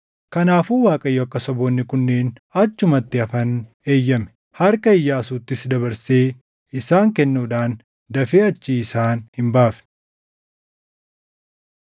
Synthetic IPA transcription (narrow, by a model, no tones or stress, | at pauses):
kɐnaːfuːwaːkʼɐjːoɐkːɐsɔboːnːɪkʊnːeːn | ɐt͡ʃːʊmɐt̪ːɪɐfɐn | e̞ːjːɐmɛ̥ | hɐɾkɐɪjːaːsuːt̪ːɪsd̪ɐbɐɾseː | ɪsaːŋkɛnːuːᶑaːn | d̪ɐfeːɐt͡ʃːiːsaːnhɪmbaːfn